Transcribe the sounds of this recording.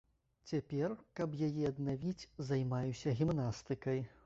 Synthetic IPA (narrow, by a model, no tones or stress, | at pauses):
t͡sʲapʲɛrkɐbjajɛɐd̪navʲit͡sʲzajmajusʲɐɣʲimnast̪ɨkɐj